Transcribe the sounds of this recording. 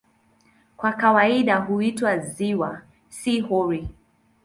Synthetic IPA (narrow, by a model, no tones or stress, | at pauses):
kwakawaiɗaɦuitwaziwa | sihɔɹi